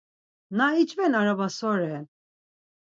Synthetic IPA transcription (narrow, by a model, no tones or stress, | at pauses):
nait͡ʃvɛnaɾavasɔɾɛn